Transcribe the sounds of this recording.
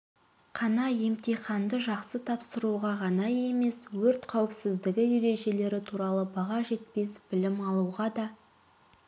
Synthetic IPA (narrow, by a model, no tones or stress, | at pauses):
qʰɑnɑje̞mt̪ejχɑnd̪əʒɑqsət̪ʰɑpsəɾuʁɑʁɑnɑje̞me̞swɵɾt̪qʰɑwɪpsɪzd̪ɪɡʲɪeɾe̞ʒe̞le̞ɾɪt̪ʰuɾɑlˠəbɑʁɑʒe̞t̪̚pe̞sb̥ɪlɪmɑlˠuʁɑd̪ɑ